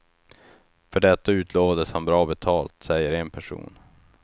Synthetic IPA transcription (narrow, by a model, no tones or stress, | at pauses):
fœɖɛt̪ːaʉ̟ːt̪ʰloːvad̪əshanbɾɑːbɛt̪ʰɑːlt̪sɛjːəɾenpʰæʂṵːn